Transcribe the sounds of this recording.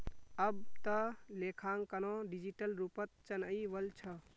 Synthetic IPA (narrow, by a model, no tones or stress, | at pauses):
əb̚t̪əlekʰaŋkənoɖid͡ʒiʈəlɾupət̪̚t͡ʃənəjʋəlt͡ʃʰə